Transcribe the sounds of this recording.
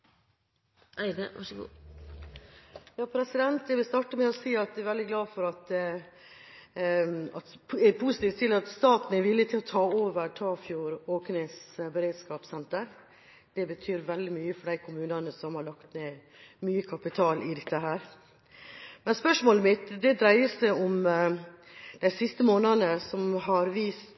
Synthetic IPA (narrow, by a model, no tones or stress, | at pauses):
ʔæɪd̪əʋɑ̰ʂɡṵː | jɑːpʰɾɛsɪd̪ɛnt̪ɛʋɪlst̪ɑʈːəmɛɔsiːɑt̪̚d̪ɛæɾʋɛld̪ɪɡlɑːfɔɾɑt̪ | ɑt̪ɛpʰʊsɪt̪iːft̪t̪ɪlɑt̪st̪ɑːt̪n̩ɛɾʋɪlːɪt̪ʰɪlɔt̪ʰɑːoːʋəɾʈʰɑːfjuːɾoːknesbəɾeːd̪skɑːpsɛnt̪əɾ | d̪̥ɛbət̪ʰyːɾʋɛld̪ɪmyːəfɔɖæɪkʰʊmʉːnɑnəsɔmhɑɾɭɑkt̪neː | myːəkʰɑpɪt̪ʰɑːlʔɪd̪ɛt̪ːəɦæːɾ | mɛnspœʂmoːləmɪt̪d̪ɛd̪ɾæɪəsæɪɔm | d̪̥æɪsɪst̪əmoːnɑnəsɔmɦɑɾʋiːst̪